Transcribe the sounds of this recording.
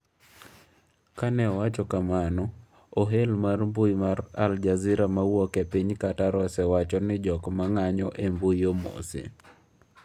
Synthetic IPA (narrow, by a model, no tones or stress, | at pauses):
kanɛɔwat͡ʃɔkamanɔ | oɦelmarmbujmaɾa̰ld͡ʒazɪɾamawɔkepiɲkataɾɔsɛwat͡ʃɔnɪd͡ʒɔkmaŋaɲɔʔembujomo̰sḛ